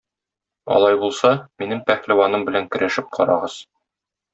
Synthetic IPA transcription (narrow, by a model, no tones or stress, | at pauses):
ɒ̰lˠɑjbulˠsɑminɘmpæχlæwɑnɤmbɘ̆læŋkɵ̆ɾʔæʃɘp̚qʰɒ̰ɾɑ̰ʁɤz̥